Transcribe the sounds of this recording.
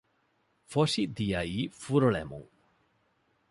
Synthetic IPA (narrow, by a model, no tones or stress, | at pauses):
fɔʃid̪ijaifuɾɔɭɛ̰mɔ̰ŋ